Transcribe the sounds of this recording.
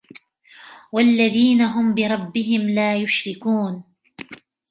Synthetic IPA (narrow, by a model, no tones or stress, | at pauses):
walːaðiːnaɦʊmbɪɾˤɑbːɪɦɪmlaːjʊʃɾɪkuːn